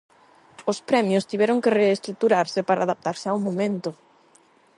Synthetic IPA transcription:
ospɾɛmjost̪iβɛɾʊŋkereːst̪ɾuk̚t̪uɾaɾsɪpaɾa̰ːðap̚t̪aɾsɪawmomẽnt̪ʊ

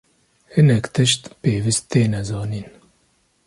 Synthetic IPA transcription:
hɨnɛkt̪ɨʃt̪peːvist̪t̪eːnɛzɑːniːn

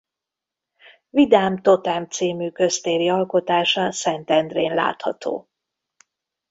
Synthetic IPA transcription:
vid̪aːmt̪o̞t̪ɛmt̪siːmyːkø̞st̪eːɾiɒlko̞t̪aːʃɒsɛnt̪ɛnd̪reːnla̰ːt̪hɒ̰t̪ʰo̰ː

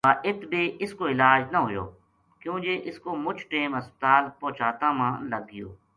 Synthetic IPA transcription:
aːʔɪt̪bʱiːʔɪskoːɪlaːd͡ʒnəɦʊjo̰ː | kjũːd͡ʒeːʔɪskoːmʊd͡ʒʈeːməspət̪aːlpɔ̃ːt͡ʃaːt̪ãːmãːləɡːɪjo̰ː

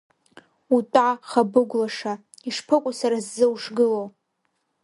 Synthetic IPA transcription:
utʼaχabɨɡʷlaʂa | iʂpʰɨkʷʼʊsaɾazːɨwuʂɡɨlo

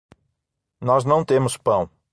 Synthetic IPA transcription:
nɔznɐ̃w̃t̪ẽmʊspɐ̃w̃

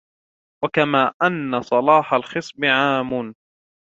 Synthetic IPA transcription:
wakamaːʔanːasˤɑlɑːħalxɨsˤbɪʕaːmʊn

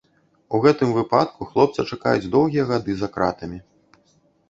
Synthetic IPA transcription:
uɣɛt̪ɨmvɨpat̪kʰuxlˠɔp̚t̪sɐt͡ʂakajud͡zʲd̪ɔwɣʲijɐɣad̪ɨzakɾa̰t̪ɐmʲi

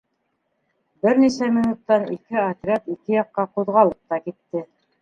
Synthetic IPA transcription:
bɘɾnisæminut̪ːɑnḭkɘɐt̪ɾʲat̪ikɘjɑqːɑquðʁɑlˠɤp̚t̪ɑkit̪ːɘ

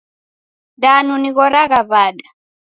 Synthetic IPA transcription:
danuniɣɔɾaɣaβaːɗa

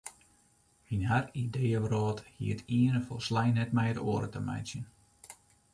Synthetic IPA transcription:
hinharidejəʋrɔːthḭətʰiənəfɔlˠslajnɛt̚mɛjətoːəɾə̰təmɛ̰jsjən

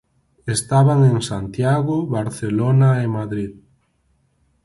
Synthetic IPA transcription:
est̪aβaŋeŋsant̪jaɣʊβaɾθelonaemaðɾið

